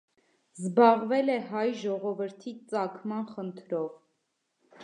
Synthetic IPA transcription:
zbɑʁvɛlɛɦɑjʒɔʁɔvəɾt̪ʰit͡sɑkʰmɑnχənt̪ʰɾɔv

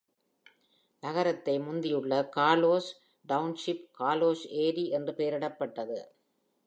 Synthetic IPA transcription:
nɐɣɐɾɐt̪ːɐɪmʊnd̪ɪjɯɭːɐkaːloːs | ɖɐʊnʂɪpkaːloːseːɾiɛndrɯpeːɾɪɽɐpːɐʈːɐðɯ̰

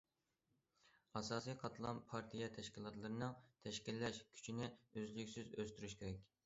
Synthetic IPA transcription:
ɑsɑːsijqʰɑt̪ʰlˠɑ̰npʰɑɾt̪ʰijɛt̪ʰɛʃkʲilˠɑt̪lˠɨɾɨnɨŋt̪ʰɛʃkʲilːɛʃkʲʰy̥t͡ʃʰinɪøzlykʲsyzøst̪yɾyʃkʲʰeɾɛkʲ

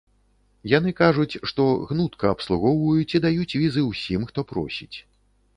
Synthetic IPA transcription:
jan̪ɨkaʐut͡sʲʂt̪ɔɣnut̪kɐːpslˠuɣɔwvujut͡sʲid̪ajut͡sʲvʲizɨwsʲimxt̪ɔpɾɔ̰sʲit͡sʲ

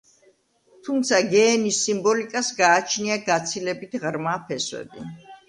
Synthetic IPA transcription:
t̪ʰumt̪sʰaɡɛːnisːimbɔlikʼasɡaːt͡ʃʰniaɡat̪sʰilɛbit̪ʰʁɾmapʰɛswɛ̰bi

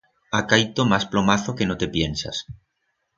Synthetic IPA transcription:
akajt̪omasplomaθokenot̪epjensa̰s

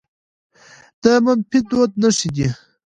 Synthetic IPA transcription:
d̪̥əmampid̪ot̪̚nəʂid̪i

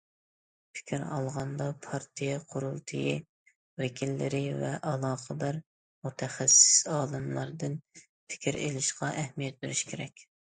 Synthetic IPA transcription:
pʰɪ̥kʲiɾɑlˠʁɑnd̪ɑpʰɑɾt̪ʰijɛqʰʊɾulˠt̪ʰɨji | wɪkʲʰilːɪɾɪvɛʔɑlˠɑːqəd̪æɾ | mut̪ʰɛχæsɪ̥sɑːlˠɨmlˠɑɾd̪ɨn | pʰɪ̥kʲʰiɾḛlɪʃqɑʔɛhmijɛt̪̚beɾɪʃkʲʰeɾɛkʲ

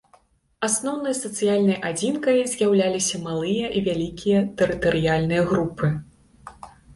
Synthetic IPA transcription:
asnɔwnɨjɐsɐt̪sɨjalʲnɐjʔad͡zʲinkɐjzʲjawlʲalʲisʲɐmalˠɨjɐʔivʲalʲikʲʰijɐt̪ɛɾɨt̪ɐɾɨjalʲnɨjɐɣɾupɨ

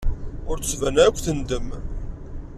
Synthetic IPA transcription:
ʊɾt̪svænækʷːθənd̪əm

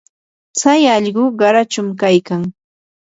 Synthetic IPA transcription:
t͡sajɑʎɢʊɢɑɾat͡ʃʊmkajkaŋ

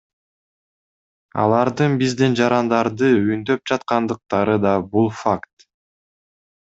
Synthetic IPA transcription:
ɑ̰lˠɑɾd̪ɯnbizd̪ind͡ʒɑɾɑnd̪ɑɾd̪ɯynd̪ø̞p̚d͡ʒɑt̪qɑnd̪ɯq̚t̪ɑɾɯd̪ɑbulˠfakt̪

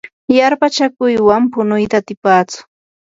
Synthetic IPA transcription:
jaɾpat͡ʃakʊjwampʊnʊjt̪aːt̪ɪpaːt͡sʊ̥

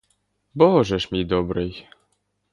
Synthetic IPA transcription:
bɔɦɔʒɛʃmʲijd̪ɔbɾɪj

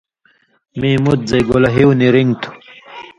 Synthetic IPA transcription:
mimut̪̚zɐjɡolɐɦiwniɾiŋt̪ʰu̥

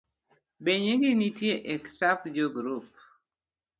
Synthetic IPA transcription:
beɲeŋɡinitjeʔektapd͡ʒoɡɾup̚

